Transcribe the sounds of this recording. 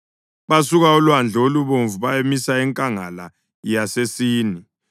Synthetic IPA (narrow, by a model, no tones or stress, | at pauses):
βasuɣaulwand͡ɮʱoluβoɱvuβajemisaɛŋkʼaŋala̰ | jasesiːni